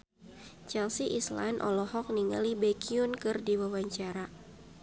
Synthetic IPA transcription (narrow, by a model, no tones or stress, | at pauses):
t͡ʃɛlsiʔisla̰nʔɔ̰lɔhɔk̚niŋa̰libɛkiunkɨrdiwawaɲt͡ʃaɾa